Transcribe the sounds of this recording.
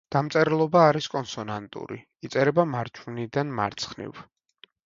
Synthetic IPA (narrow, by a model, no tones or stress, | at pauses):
d̪̥amt̪sʼɛɾɛlˠɔbaːɾiskʼɔnsɔnant̪ʼṵɾḭ | it̪sʼɛɾɛbamaɾt͡ʃʰvnid̪anma̰ɾt̪sʰχnḭv